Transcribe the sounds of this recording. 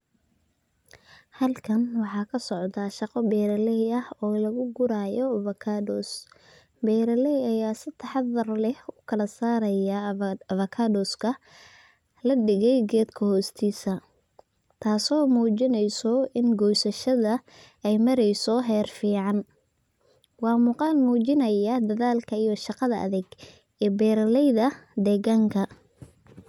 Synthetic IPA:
hɐlkʰɐnwɑħɑːkʰɐsɔʕd̪ɐʃɑqɔbɛːɾɐlɛjɐhɔːlɐɣʊɡʊɾaːjɔvɐkʰadɔːs | bɛːɾɐlɛjɐjaːsɪt̪ʰɑħɑðɐrlɛhʊkʰɐlɐsaːɾɐjɐvɐkʰadɔːskʰɐ | lɐɖɪɣɛjɡɛːd̪kʰɐhɔːst̪ʰiːsɐ | t̪ʰaːsɔːmuːt͡ʃɪnɛjsɔɪnɡɔjsɐʃɐðɐ | ɛjmɐɾɛjsɔɦɛːrfiːʕɑn | wɑːmuːqɑːnmuːt͡ʃɪnɐjɐd̪ɐðaːlkʰɐijɔʃɑqɑðɐʔɐ̰ðɛɡ | ɛːbɛːɾɐlɛjðɐd̪ɛːɣaːŋkʰɐ

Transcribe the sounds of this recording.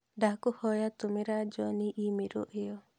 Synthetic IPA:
dakuhɔjat̪umiɾad͡ʒɔniʔimiɾṵʔejɔ

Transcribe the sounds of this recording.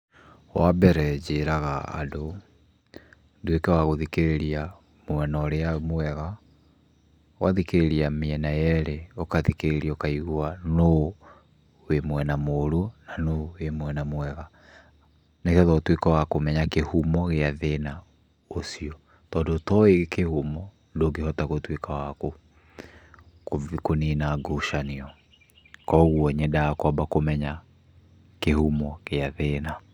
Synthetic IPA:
wabɛɾɛd͡ʑeɾaɣaa̰do | duekɛwaɣoðikeɾeɾia | mwɛnɔɾeamwɛɣa | waðikeɾeɾiamiɛnajɛɾeokaðikeɾeɾiokaiɣuano | wemwɛnamoɾonanowemwɛnamwɛɣa | nekɔðɔtwekawakomɛɲakehumɔɣeaðena | osiɔ | tɔndotɔeɣekehumɔ | ndoɡehɔtaɣotwekawako | kokoninaɡoʃaniɔ | kɔɣuɔɲɛdaakɔmbakomɛɲa | kehumɔɣeaðena

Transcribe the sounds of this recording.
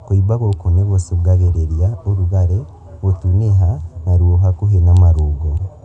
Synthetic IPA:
koibaɣokoneɣosoɡaɣeɾeɾjaoɾuɣaɾe | ɣotuneɦanaɾwoɦakuɦenamaɾuːɡo

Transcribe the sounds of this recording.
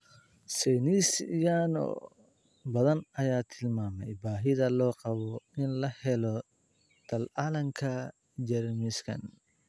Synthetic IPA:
sɛjnisjanɔ̰ | bɐðɐnɐjaːt̪ʰɪlmaːmɛjbaːɦɪðɐlɔːqɑβɔɪnlɐhɛlɔ | t̪ʰɐlalɐŋkʰɐ | d͡ʒɛɾmɪskʰɐ̰n

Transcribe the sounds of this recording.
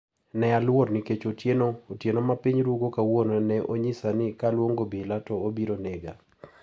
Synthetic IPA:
nɛalwornɪket͡ʃotjenootjenomapɪɲɾuɡokawononɛʔoɲɪsanɪkalwoŋɡobilatoobiɾoneɡa̰

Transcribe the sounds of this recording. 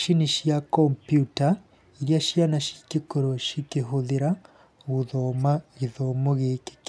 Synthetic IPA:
ʃiniʃjakompjuta | iɾjaʃjanaʃikikoɾoʃikiɦoðiɾa | ɣuðomaiðomoɣeke̥k

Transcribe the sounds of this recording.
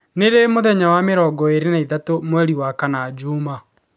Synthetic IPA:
neɾemoðɛɲawameɾɔɡɔeɾenaiðatomwɛɾiwakanad͡ʒuma

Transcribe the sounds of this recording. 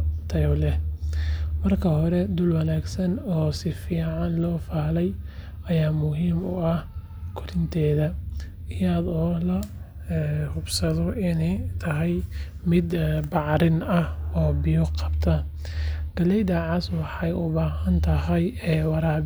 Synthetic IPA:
t̪ʰɐwlɛ | mɐrkʰɐɦɔɾɛd̪ʊlwɐlaːɡsɐnɔːsɪfiːʕɑnlɔːfaːlɛj | ɐjaːmʊɦiːmʊɐh | kʰʊɾɪnt̪ʰɛːðɐ | ɪjaðɔːlɐ | hʊbsɐðɔɪnɛjt̪ʰɐɦɛj | mɪd̪bɑʕɾɪnɐhɔːbɪjɔqɑ̥bt̪ʰɐ | ɡ̥ɐlɛjd̪aʕɑswɑħɑjʊβaːɦɐnt̪ʰɐɦɐjɛːwɑɾaː

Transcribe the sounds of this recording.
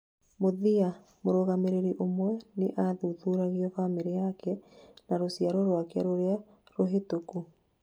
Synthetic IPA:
moðia | moɾoɣameɾeɾiʔomwɛneʔaðuðuːɾaɣiɔfamiɾijakɛnaɾosjaɾɔɾwakea̰ɾoɾea | ɾoɦetoku

